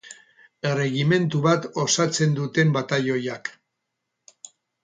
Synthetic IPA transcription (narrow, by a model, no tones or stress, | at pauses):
ere̞ɣime̞nt̪uβat̪o̞sat͡se̞nd̪ut̪e̞mbat̪ajo̞jak